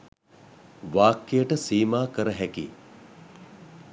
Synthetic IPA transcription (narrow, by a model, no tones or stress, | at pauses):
ʋaːkːejəʈəsiːmaːkəɾəɦɛkḭː